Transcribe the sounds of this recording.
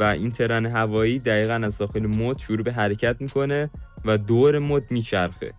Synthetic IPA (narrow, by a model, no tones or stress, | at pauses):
væʔint̪ʰe̞ɾɒːneɦævɒːiːd̪æɣiːɣænæzd̪ɒːxe̞lemod̪̥ʃoɾuːbeɦæɾe̞cʰæt̪miːkʰo̞ne̞væd̪oːɾe̞moːd̪̚miːt͡ʃʰæɾxḛ